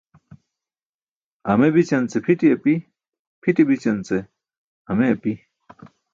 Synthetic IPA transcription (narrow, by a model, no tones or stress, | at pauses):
ɐmebit͡ɕɐnt͡sepʰiʈiɐpi | pʰiʈibit͡ɕɐnt͡se | ɐmeɐpi